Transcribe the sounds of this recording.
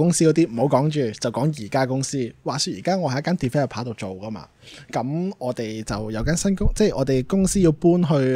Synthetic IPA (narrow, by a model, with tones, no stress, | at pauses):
kʊ˥ŋsiː˥kɔː˨˧˥t̪iː˥m̩˨˩o˨˥wkɔː˨˥ŋt͡ʃyː˨˩t͡sɐ˨wkɔː˨˥ŋjiː˨˩kaː˥kʊ˥ŋsiː˥waː˨˩syː˧t̚jiː˨˩kaː˥ŋɔ˨˧hɐ˧˥jɐ˥kaː˥nt̪i˨˩fɐ˥˨˩pʰaː˨˥t̪o˨wt͡so˨wkɐ˥ma̰ː˧ | kɐ˨˥mɔː˨˧t̪e˨˩jt͡sɐ˨wjɐ˨˥wkaː˥nsɐ˥nkʊ˥ŋt͡sɛ˥˩ʔɔː˨˧t̪e˨jkʊ˥ŋsiː˥ji˧wpuː˥nɦɵ˧ɥ